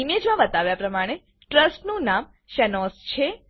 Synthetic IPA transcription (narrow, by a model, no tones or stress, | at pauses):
imed͡ʒmãʋət̪aʋjapɾəmaɽ̃e | ʈɾəsʈnũnam | ʃɛnɔst͡ʃʰe